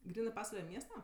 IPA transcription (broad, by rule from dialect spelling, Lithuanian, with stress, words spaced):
ˈɡrʲiːnɜ ˈpɑːsʋɐlʲɛ ˈmʲiɛstɐ